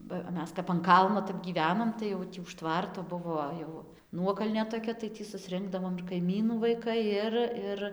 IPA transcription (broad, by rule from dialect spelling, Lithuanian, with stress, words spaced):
bɐ ˈmʲɛs kɐp ɐn ˈkɐlˠnoː tɐp ɡʲiːˈʋʲæːnoːm tɐɪ jɛʊ ˈtʲiː ʊʃ ˈtʋɐrtoː ˈbʊʋoː jɛʊ ˈnuɔkɐlʲnʲeː toːˈkʲɛ tɐɪ tʲiː sʊsʲˈrʲɪŋɡdɐʋoːm ɪr kɐɪˈmʲiːnuː ʋɐɪˈkɐɪ ˈɪr ˈɪr